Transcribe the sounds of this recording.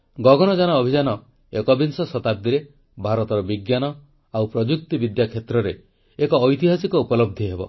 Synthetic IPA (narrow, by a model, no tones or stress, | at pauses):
ɡɔɡɔnɔd͡ʒanɔːbʱid͡ʒanɔ | ekɔbinsɔsɔt̪ap̚d̪iɾe | bʱaɾɔt̪ɔɾɔbiɡjanɔ | awpɾɔd͡ʒuk̚t̪ibid̪jakʰet̪ɾɔɾeː | kɔːjt̪iɦasikɔupɔlɔb̚d̪ʱiɦebɔ̰